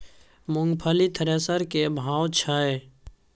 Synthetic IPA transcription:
mʊŋɡpʰəlit̪ʰəɾeːsəɾkebʱaːwt͡ʃʰae

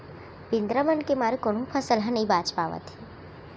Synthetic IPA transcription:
bɪnd̪ɾəməɳkemaɾukoɳ̃ũpʰəsəlɦanəĩbat͡ʃpa̰ʋə̰t̪ʰi

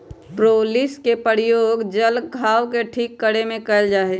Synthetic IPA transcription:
pɾoːlɪskepəɾɪjoːɡd͡ʒəlɡʱaːʋkeʈʰiːkːəɽemẽkəld͡ʒaːeː

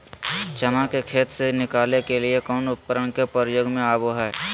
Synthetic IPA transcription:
t͡ʃɐmãkekʰeːt̪senɪkaːlekelɪekɔːnʊp̚kəɾəɳ̃kepəɾjoːɡmẽaːboɦɛɛ

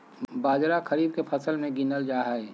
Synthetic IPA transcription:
baːd͡ʒɾakʰɐɾiːb̚kepʰɐsəlmẽɡɪnəld͡ʒaːɦae

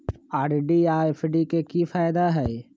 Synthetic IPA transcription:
aːɾɖiaːefɖikekifaːɪd̪aɦɛe

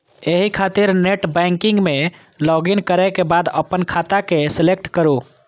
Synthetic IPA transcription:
eɦikʰat̪iɾneʈbɛ̃ŋkiŋɡme | lɔɡinkəɾɛkebad̪əpːənkʰat̪akeselekʈkəɾu

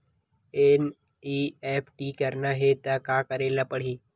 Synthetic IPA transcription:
en | iːeːpʰʈiːkəɾnaɦet̪akaːkəɾeːlapəɽ̤iː

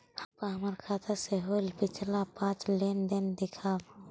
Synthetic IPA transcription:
həpaɦəmaɾkʰaːt̪ʰəɾseɦolpɪt͡ʃʰlapãːt͡ʃlend̪end̪ɪkʰaːb

